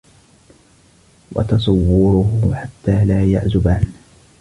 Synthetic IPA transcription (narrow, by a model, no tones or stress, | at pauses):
wɑ̰t̪ɑs̬ˤɑwːʊɾʊhʊħat̪ːaːlaːja̰ʕzʊbaːn